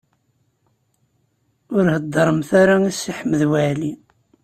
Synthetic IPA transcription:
ʊɾhəd̪ˤːɾˤəmθaɾaisːiħməðwæʕli

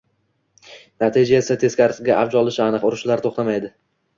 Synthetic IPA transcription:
nat̪ʰid͡ʒaesat̪ʰe̞skʲaɾɡʲaʔabd͡ʒɒlˠɪʃɪanɨqʊɾʊʃlaɾt̪ʰoχt̪amajd̪ɪ

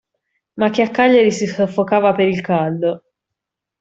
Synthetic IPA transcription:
mak̟ːeakːaʎːaɾisisofːokaːvapeɾilkald̪

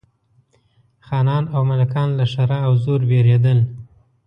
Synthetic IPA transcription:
xɑnɑnawmalakɑnlaʂaɾaːwzoɾbeɾed̪əl

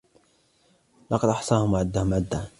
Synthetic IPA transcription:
lɑqɑd̪ʔɑħsˤɑːhʊmaʕɪd̪ːahʊmʕɪd̪ːaː

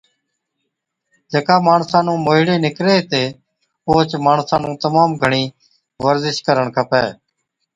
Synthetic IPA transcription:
d͡ʒeːkaːmaːɳsãːnũːmoːɪɽeːnɪkɾeːt̪eː | oːt͡ʃmaːɳsãːnũːt̪əmaːmɡʱəɳiː | ʋəɾzɪʃkəɾəɳkʰəpɛ̰ː

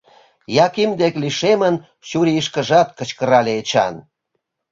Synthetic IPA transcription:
jɑkimd̪ekliʃemən | ɕuɾiiʃkə̆ʒɑt̪̚kə̆t͡ɕkəɾɑleːt͡ɕɑ̰n

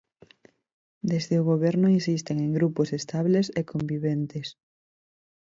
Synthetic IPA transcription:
d̪ezðeʊɣoβɛɾnʊinsist̪eŋeŋɡɾupʊsest̪aβlesekʰombiβent̪es

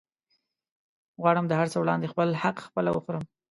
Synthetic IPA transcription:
ɣwɑɽəmd̪əhaɾt͡səwɽɑnd̪expəlhaqxpəlawəxoɾəm

